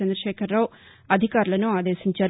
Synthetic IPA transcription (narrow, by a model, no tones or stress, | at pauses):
ɛnd̪ɾɐʃɛːkʰɐɾːaw | ɐd̪ʱikaːɾulɐnuaːd̪eːʃiɲt͡ʃaː